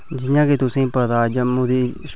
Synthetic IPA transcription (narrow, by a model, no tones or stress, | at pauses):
d͡ʒɪjãːket̪ʊsĩːpəd̪aːd͡ʒəmũːd̪iːs